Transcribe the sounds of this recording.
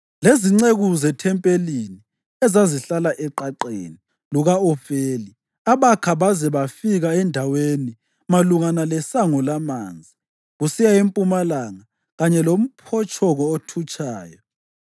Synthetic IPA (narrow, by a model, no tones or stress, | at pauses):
leziŋ͡ǀeɣuzɛtʰɛmpʼelini | ɛzaziɬalaʔɛǃaǃḛni | luɣaɔfeːli | aβakʰaβazɛβafiɣaɛndʱaweni | maluŋanalɛsaŋɔlamand͡zʱi | ɣusijaempʼumalaŋa | ɣaɲɛlom̩pʰɔt͡ʃʰʼɔɣɔotʰut͡ʃʼaːjɔ